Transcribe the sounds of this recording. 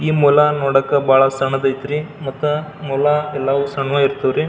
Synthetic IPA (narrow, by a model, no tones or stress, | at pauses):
iːmulɐnoːɽɐkːɐbʱaːɭɐsɐɳɐd̪ɐjt̪ɾimɐt̪ːumulaɛlːɐʋusɐɳʋɐiɾt̪ɐʋɾi